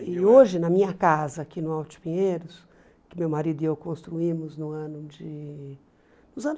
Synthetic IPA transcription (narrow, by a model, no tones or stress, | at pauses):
ɪoʒɪnɐmĩɲɐkazɐkinʊawt͡ʃɪ̥pĩɲejɾʊs | kɪmewmaɾid̪ʊiewkõst̪ɾuĩmʊznʊɐ̃nʊd͡ʒɪ | nʊzɐ̃n